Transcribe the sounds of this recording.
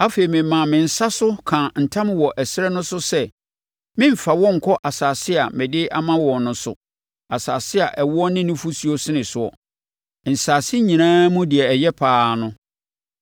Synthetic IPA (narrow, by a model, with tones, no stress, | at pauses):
a˦fe˨i˨mɪ̃˨mã˨mɪ̃˨n̩˨sa˦sʊ˦kʰã˨n̩˨tʰã˦m˦wɔ˨ʔɛ˨sɾɛ˦nʊ̃˦sʊ˦sɛ˦ | mɪ̃˦m̩˨fa˨wɔ̃˦ŋ̩˨kʰɔ˦ʔa˨saː˨sɪ˦a˨mɪ̃˨dɪ˦ʔa˦mã˦wɔ̃˨nnʊ̃˦sʊ̰˨ | a˨saː˨sɪ˦a˨ʔɛ˨wʊ˦ɔ˦nɪ̃˦nʊ̃˦fu˦si˦o˦sɪ˦nɪ̃˨sʊ˦˨ɔ̰˨ | n̩˨saː˨sɪ˦ɲĩ˨nãː˦mũ˦dɪ˨ɛ˨ɛ˨jɛ˦pʰaː˦nʊ̃˦